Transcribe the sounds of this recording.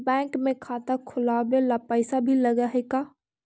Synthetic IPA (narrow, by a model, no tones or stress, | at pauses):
bɛ̃ːŋkmẽkʰaːt̪akʰʊlaːbelapəɪsabʱiləɡaɦɛkaː